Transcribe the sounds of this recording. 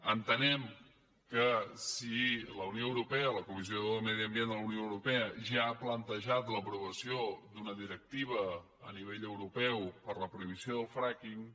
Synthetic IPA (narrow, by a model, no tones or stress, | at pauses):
ənt̪ənɛm | kəsiləunioəwɾupɛələkumiz̬ioðəlmɛð̞iəmbjend̪ələwnioəwɾupɛəʒaːplənt̪əʒat̪ləpɾuβəsiod̪unəðiɾək̚t̪iβ̞ə | əniβeʎəwɾupɛwpəɾləpɾuiβ̞isioðəlˠfɾakiŋ